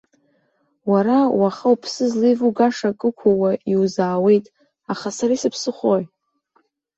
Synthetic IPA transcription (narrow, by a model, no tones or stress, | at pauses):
waɾawaχawpʰsɨzlivuɡaʂakʼɨkʷʰawaʔiwzaːwe̞jtʼ | aχasaɾisɨpʰsɨχoj